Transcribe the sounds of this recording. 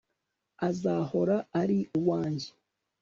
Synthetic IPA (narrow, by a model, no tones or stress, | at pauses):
azaho̞ɾaːɾiuwaːɲɟe